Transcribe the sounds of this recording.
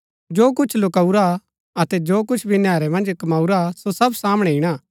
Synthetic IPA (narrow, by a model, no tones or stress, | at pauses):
d͡ʒoːk̬ʊt͡ʃʰlokauɾa | ɐt̪ɛd͡ʒoːkʊt͡ʃʰbʱinjaːɾɛmɐ̃nd͡ʒkɐmaːuɾasosɐbsaːmɽ̃ɛɪɽ̃aː